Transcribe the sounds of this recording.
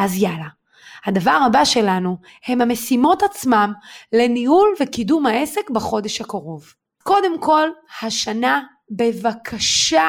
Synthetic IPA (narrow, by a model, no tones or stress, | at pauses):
azjala | hadavaʁabaʃe̞lanu | he̞mhamesimo̞tat͡smamle̞nihulvekidumhae̞se̞kbeχo̞de̞ʃhakaʁo̞v | ko̞de̞mko̞lhaʃana | be̞vakʰaʃa